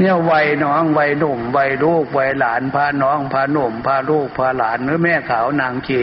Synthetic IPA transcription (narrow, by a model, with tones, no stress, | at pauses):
ni˧˥˩ə˨wwa˧jnɔː˦˥˨ŋwa˧jnu˨˩mwa˧jluː˥˩k̚wa˧jlaː˩˦npʰaː˧nɔː˦˥˨ŋpʰaː˧nu˨˩mpʰaː˧luː˥˩k̚pʰaː˧laː˩˦nɾɯː˦˥mɛː˧˥˩kʰaː˩˦wnaː˧ŋkʰeː˧˩